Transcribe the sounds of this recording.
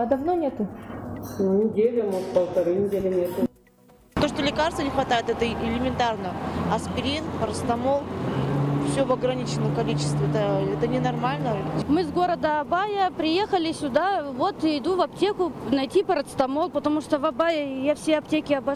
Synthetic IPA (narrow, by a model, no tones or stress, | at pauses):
d̪ɐvnonʲet̪ʊ | nʲɪdʲelʲɪmukpəlˠt̪ɐɾɨnʲɪdʲelʲɪnʲet̪ʊ | t̪o̞ʂt̪olʲɪkarst̪vənʲɪxvɐt̪ajɪt̪ɛt̪əʔɪlʲɪmʲɪnt̪arnəɐspʲɪɾʲint̪pəɾət̪st̪ɐmo̞lˠ | fsʲovɐɡɾɐnʲit͡ɕɪnːəmkɐlʲit͡ɕɪ̥st̪vʲɪɛt̪əɛt̪ənʲɪnɐrmalʲnəmɨzɡo̞ɾəd̪əɐbajəpɾʲɪjexəlʲɪsʲʊd̪avo̞t̪ɪd̪uvɐp̚tʲekʊnɐjtʲipəɾət̪st̪ɐmo̞lˠpət̪ɐmuʂt̪ovɐbajəjafsʲeɐp̚tʲekʲɪɐbɐ